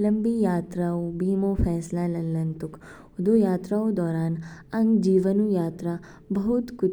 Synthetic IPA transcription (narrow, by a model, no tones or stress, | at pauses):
ləmbijaːt̪ɾaobiːmofɛːslalɐllənt̪ʊk | ʊd̪ojaːt̪ɾaod̪ɔːɾaːn | ɐŋɡd͡ʒiːʋənũjaːt̪ɾa | bəɦut̪kʊ